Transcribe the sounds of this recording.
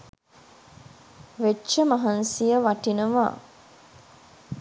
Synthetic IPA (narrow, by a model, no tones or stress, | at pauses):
ʋeʃəmaɦansijəʋaʈinəʋa̰ː